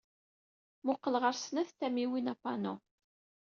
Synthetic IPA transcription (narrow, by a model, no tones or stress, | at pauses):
mʊqːəlʁəɾsnæθt̪æmiwinapɑno̰